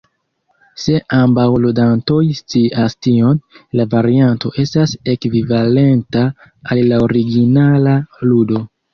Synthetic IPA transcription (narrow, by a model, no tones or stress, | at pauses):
se̞ʔambawludanto̞jst͡siʔastio̞nlavaɾianto̞ʔe̞stase̞kvivale̞nta | allaoɾiɡinalaludo̞